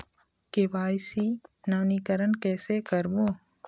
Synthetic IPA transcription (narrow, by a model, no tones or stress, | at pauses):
keʋaːjsinaʋnikəɾənkɛːsekəɾboː